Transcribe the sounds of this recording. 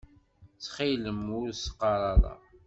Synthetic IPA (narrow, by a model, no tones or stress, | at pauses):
t͡sːχiləmʊɾsə̥qːɑɾˤɑðˤɑ̰